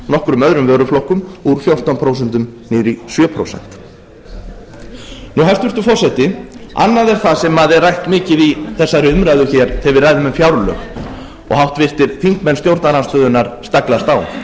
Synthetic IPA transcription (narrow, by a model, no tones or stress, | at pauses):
nɔhkɾʏmœðɾʏmvœːɾʏflowhkʏmuɾfjowr̥t̪anpʰɾoːwsɛnt̪ʏmniːɾisjœːpʰɾo̰wsɛ̰n̥t̪ | nuɦajst̪ɪɾt̪ʏfɔr̥sɛht̪ɪa̰nːaðɛɾ̥θaðsɛmaðɛrrajht̪mɪːcɪðiθɛsːaɾɪʏmɾajðʏçɛɾ̥θɛvɪɾraːjðʏmɛmfjawɾlœ̰ːx | ɔ̰ɣɦawht̪vɪr̥t̪ɪɾ̥θiŋ̥kmɛnst̪jowɾt̪naɾanst̪fœːðʏnaɾ̥st̪aklast̪aːw